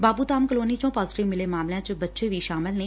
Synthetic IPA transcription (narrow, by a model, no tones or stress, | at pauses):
baːpuːt̪aːmkəloːniːt͡ʃõːpaːzɪʈɪʋmɪleːmaːmljãːt͡ʃəbətːʃeːʋiːʃaːmɪlneː